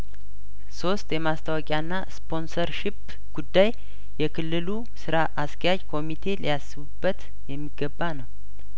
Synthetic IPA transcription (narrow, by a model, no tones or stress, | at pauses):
so̞st̪ʼjɛmast̪ʰawɔkʼjanːaspʰo̞nsəɾʃɪp | ɡ̥ud̪ːaj | jɛkʰɨlːɨlu | sɨɾaʔaskʰəjad͡ʒkʰo̞mit̪ʰe̞ləjasːɨβubːət̪ | jɛmːiɡəbːanəw